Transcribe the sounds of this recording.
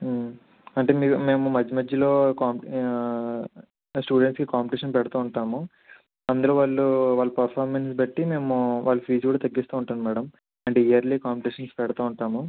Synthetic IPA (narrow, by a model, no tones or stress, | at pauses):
ɐɳʈe̞ːmiːume̞ːmumɐd͡ʒːimɐd͡ʒːɐlo̞ːkaːmp | sʈuːɽeɳʈskikaːmpiʈiːʂɐnpɛɽɐt̪uːuɳʈaːmu | ɐnd̪ulo̞ːʋaːɭːuʋaːɭːɐpɐɾpʰaːɾmensbɐʈːime̞ːmuʋaːɭːupʰiːd͡ʒkuːɽaːt̪ɐɡːist̪uːuɳʈaːnumaːɽɐm | ɐɳʈeːijɐɾliːkaːmpiʈiːʂɐnspɛɽɐt̪uːuɳʈaːmu